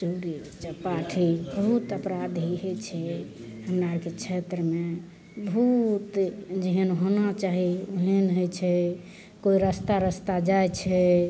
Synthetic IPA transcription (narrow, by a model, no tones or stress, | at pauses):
suɾit͡ʃɛpaʈʰibəɦut̪əpɾad̪ʱiɦojt͡ʃʰɛ | həmɾaɾket͡ʃʰet̪ɾəme | but̪d͡ʒeɦənɦonat͡ʃaɦioɦenɦojt͡ʃʰɛ | koiɾəst̪aɾəst̪ad͡ʒajt͡ʃʰɛ